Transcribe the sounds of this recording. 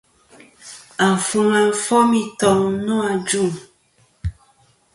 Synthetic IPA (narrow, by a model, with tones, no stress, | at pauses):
a˨fu˨ŋa˨˦fɔ˦mĩ˦tɔ˨ŋnɔ̃˦a˨d͡ʒu˦˨